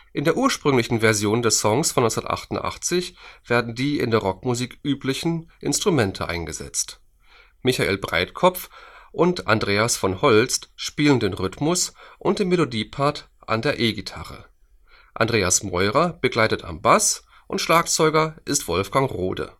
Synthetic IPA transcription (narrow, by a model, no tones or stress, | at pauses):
ʔɪndeːɐuːɐʃpʁ̥ʏŋlɪçn̩vɛɐzjoːndɛɐsɔŋsfɔnːɔʏsnɐtʔa̰χtʊntʔa̰χt͡sɪçv̥eːɐdn̩diːɪ̰ndeːɐʁɔkmuziːkʔyːplɪçn̩ʔɪnstʁ̥umɛntʰəʔa̰ɪnɡəzɛ̰t͡st | mɪçaʔḛːlbʁa̰ɪtkʰɔp͡fʔʊnta̰ndʁeːasfɔnhɔlt͡stʃpiːləndeːnʁʏtmʊsʔʊnt̚d̥eːmelodiːpʰaɐt | ʔa̰ndeːɐʔeːɡitʰa̰ʁə̰ | ʔa̰ndʁeːasmɔʏʁɐb̥əɡlaɪtətʰa̰mbas | ʔʊntʃlaːk̚t͡sɔʏɡɐʔɪstv̥ɔlfɡ̥aŋʁo̰ːdə̰